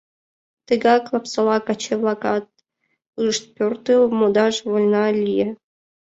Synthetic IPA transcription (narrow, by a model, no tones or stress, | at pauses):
t̪ɨɡɑklˠɑpsɑlˠɑkɑt͡ɕeβlˠɑkɑt̪̚ | ɨʃt̪̚pʲort̪ɨlmod̪ɑʃβolʲnɑlʲije